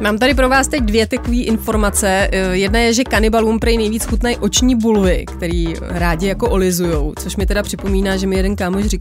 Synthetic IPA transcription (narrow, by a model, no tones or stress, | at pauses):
maːmt̪adɪp̬ɾo̞vaːst̪ɛc̚dvjɛt̪ɛkoviːʔɪnfo̞ɾmat͡sɛjɛdnajɛʒɛkanɪbalumpɾajnɛjviːt͡sxut̪nɛjʔo̞t͡ʃɲiːbulvɪkt̪ɛɾiː | ɾaːɟɪjako̞ʔolɪzujowt͡soʃmɪt̪ɛdapr̝̥ɪpo̞miːnaːʒɛmɪjɛdɛnkaːmoʃ̬rɪk